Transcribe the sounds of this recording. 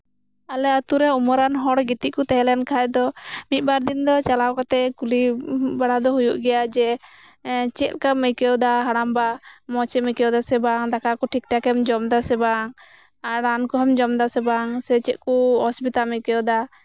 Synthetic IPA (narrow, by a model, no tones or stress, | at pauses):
alɛat̪uɾɛumɔɾanɦɔɽɡit̪iʔkut̪ɛɦɛlɛnkʰaɛd̪ɔmit̪̚baɾd̪ind̪ɔt͡ʃalawkɔt̪ɛkulibaɽad̪ɔɦujuʔɡɛjad͡ʒɛ | t͡ʃɛt̪̚kaməjkɛwd̪aɦaɽ̃ambamɔt͡ʃɛməkɛwd̪asɛbaŋd̪akakɔʈʰik̚ʈakɛmd͡ʒɔmd̪asɛbaŋ | aɾankɔɦɛmd͡ʒɔmd̪asɛbaŋsɛt͡ʃɛt̪̚kuɔsbit̪alməjkɛd̪a